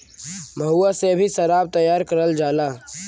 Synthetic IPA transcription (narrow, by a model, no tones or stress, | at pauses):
mʱəɦuaseɐbʱiʃɐɾaːb̚t̪ɐjːaːɾkəɾəld͡ʒaːlaː